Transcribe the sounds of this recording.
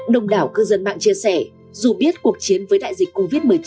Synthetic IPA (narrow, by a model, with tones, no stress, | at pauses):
ɗə˧wŋ͡mɗaː˧˩wkɨ˧zə˧nɓa̰ː˧˨ŋt͡ɕi˧əsɛ˧˩ | zu˨˩ɓi˦˥ət̚ku˨˩ək̚t͡ɕi˨˦ənvəː˨˦jɗa̰ː˧˨jzï˨˩k̟kːo˧vi˦˥t̚mɨ˨˩əjt͡ɕ